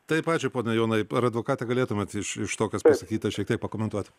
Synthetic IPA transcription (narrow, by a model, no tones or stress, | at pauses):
t̪ɐɪpɑːt͡ʃʲʊɪpoːnʲɛjoːnɐɪɐɾɐd̪ʋoːkɑːt̪ʲɛɡɐlʲeːt̪ʊmʲɛt̪ɪʃɪʃt̪oːkʲospɐsɐkʲiːt̪ʲɐʃʲiɛk̚t̪ʲiɛk̚pɐkoːmʲɛnt̪uɔt̪ʲ